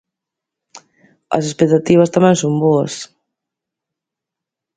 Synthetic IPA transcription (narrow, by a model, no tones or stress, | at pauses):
ɐ̰sespek̚t̪at̪iβ̞ɐst̪amɛ̃ŋsomboɐs